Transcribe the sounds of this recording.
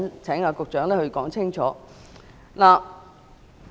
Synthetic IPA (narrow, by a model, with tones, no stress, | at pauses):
nt͡sʰɛː˨˥ŋaː˧kʊ˨k̚t͡ʃœː˨˥ŋlɛː˥hɵ˧ɥkɔː˨˥ŋt͡sʰɪ˥ŋt͡ʃʰɔ̰ː˨˥ | laː˨